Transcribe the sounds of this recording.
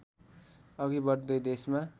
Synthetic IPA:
ʌɡibʌɾd̪ʌjd̪esma

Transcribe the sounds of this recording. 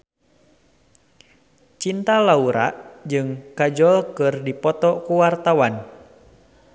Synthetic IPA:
t͡ʃint̪alauɾa̰ʔd͡ʒɨŋkad͡ʒɔlkɨrdipɔt̪ɔkuwart̪awan

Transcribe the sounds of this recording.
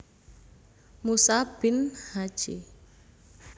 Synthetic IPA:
musab̥ɪnhad̥ʒ̥i

